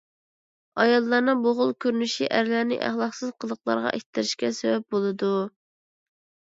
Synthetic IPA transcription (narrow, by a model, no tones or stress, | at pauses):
ɑjɑlˠːɑɾnɨŋboʁʊlˠkʲʰøɾnyʃiʔæɾlæɾnɪ̰ʔæ̰χlˠɑχqsɨzqʰəlˠəqlˠɑ̰ɾʁɑ̰ʔekʲt̪ːɪɾɪʃkʲɛsɛwɛp̚bolˠɨd̪u